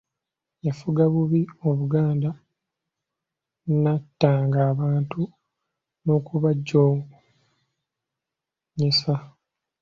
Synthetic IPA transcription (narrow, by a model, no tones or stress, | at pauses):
jafuɡaβuβio̞βuɡaːnda | natːaːŋɡaːβaːntu | no̞kuβaɟːo | ɲesa